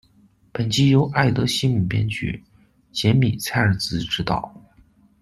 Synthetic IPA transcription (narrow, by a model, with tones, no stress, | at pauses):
pə˨˩nt͡ɕi˥jo˧˥ʊʔa˥˩ɪt̪ɤ˧˥ɕi˥mu˨˩pjɛ̰˥nt͡ɕy̰˨˩ | t͡ɕjɛ˧˥nmi˨˩t͡sʰa˥ɪə˞˨˧˩t͡sɹ̩˧˥ʈ͡ʂɻ̩˧˥t̪ɑ̰˨˩ʊ